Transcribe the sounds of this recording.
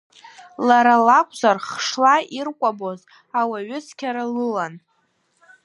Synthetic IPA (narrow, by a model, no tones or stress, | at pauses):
laɾalakʷʰʼzarχʂlairkʷʼaboz | awaɥʏt͡sʰkʲʰaɾalɨlan